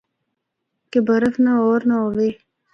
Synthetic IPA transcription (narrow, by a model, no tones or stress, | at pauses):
kebəɾəfnaoːɾnaoːʋeː